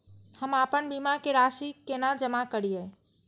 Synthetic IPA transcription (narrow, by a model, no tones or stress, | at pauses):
həmapənbimakeɾaʃikenad͡ʒəmakəɽije